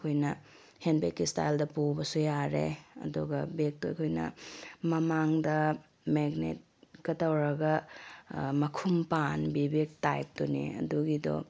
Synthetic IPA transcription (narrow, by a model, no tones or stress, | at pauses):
kʰojnɐ | henbekːista̰jldɐpuwbɐsujaɾḛɐ̰duɡɐbek̚tɐkʰojnɐ̰mɐmaŋdɐ | meɡnḛt̚ɡɐtɐwɾɐɡɐ | mɐkʰumpanbibik̚tajp̚tunḭɐ̰duɡidɔ̰